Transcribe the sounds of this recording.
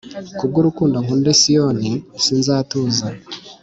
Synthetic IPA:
kub̚ɡuɾukuːndoŋkundesijonisiːnzaːtuːza

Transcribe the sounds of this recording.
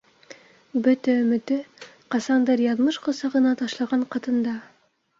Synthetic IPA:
bɵt̪æɵmɵ̆t̪ɵ | qɑsɑnd̪ɑɾjɑðmɤʃqŏsɑʁɤ̆nɑt̪ɑʃlˠɑʁɑɴqɑt̪ɤ̆nd̪ɑ

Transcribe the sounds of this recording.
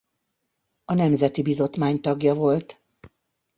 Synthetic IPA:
ɒnɛmzɛt̪ibizo̞t̪maːɲt̪ɒɡjɒvo̞lt̪

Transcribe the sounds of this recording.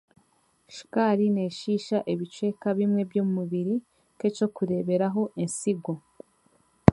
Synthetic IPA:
ʃkaɾine̞ːʃiʃaʔeβit͡ʃe̞kaβimŋe̞bjoːmumuβiɾi | ke̞t͡ʃo̞kuɾe̞βe̞ɾaɦo̞ʔinsiɡo

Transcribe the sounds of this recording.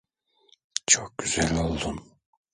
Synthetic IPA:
t͡ʃʰok̚ɟyz̥ælʲo̞lˠd̪un

